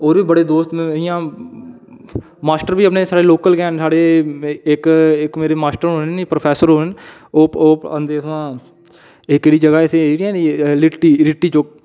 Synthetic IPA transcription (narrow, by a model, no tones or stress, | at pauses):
oːɾʋiːbəɽeːd̪oːst̪m̃ːɪjãː | maːsʈəɾʋiːəpneːsaːɽeːloːkəlɡɛːnsaːɽeːɪkɪkmeːɾeːmaːsʈəɾɦʊnipɾəpʰɛːsəɾɦoːn | oːoːənd̪eːəʋãː | ɪkːeːɽiːd͡ʒəɡaːɪt̪ʰeeːɽiɛ̃ːilʈːiːlɪʈːiːt͡ʃok̚